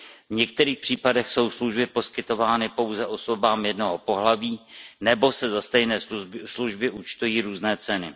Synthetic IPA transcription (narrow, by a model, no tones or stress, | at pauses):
vɲɛk̚t̪ɛɾiːxpr̥iːpadɛxso̞wsluʒbɪpo̞skɪt̪o̞vaːnɪpo̞wzɛʔo̞so̞baːmjɛdno̞ɦopo̞ɦlaviːnɛbo̞sɛzast̪ɛjnɛːsluʒbɪʔut͡ʃt̪ujiːɾuːznɛːt͡sɛnɪ